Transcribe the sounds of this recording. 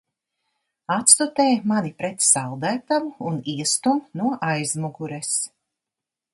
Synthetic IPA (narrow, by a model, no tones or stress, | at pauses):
at̪st̪ut̪ɛːjmanipɾɛt̪salˠd̪æːt̪amuːniɛst̪umnuɔʔajzmuɡuɾɛs